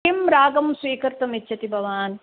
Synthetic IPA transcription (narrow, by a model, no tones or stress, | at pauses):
imɾaːɡɐmsʋiːkɐɾt̪ɐmitːʃʰɐt̪ibʱɐʋaːn